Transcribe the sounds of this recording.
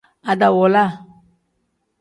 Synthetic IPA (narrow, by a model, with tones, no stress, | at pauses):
a˨da˨wɔ˨la˦˨